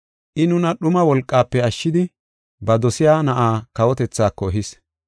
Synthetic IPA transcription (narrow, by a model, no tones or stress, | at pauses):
ʔɪnʊnɐɗʊmɐwɔlkʼːaːpːɛɐʃːɪd̪ɪ | bɐd̪ɔsɪjaːnɐʔaːkɐwɔt̪ɛt͡sːaːkːɔɦɪs